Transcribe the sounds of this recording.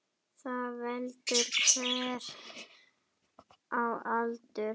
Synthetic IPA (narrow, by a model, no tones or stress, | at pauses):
θavɛlt̪ʏɾkʰvɛɾ | ʔawalt̪ʏ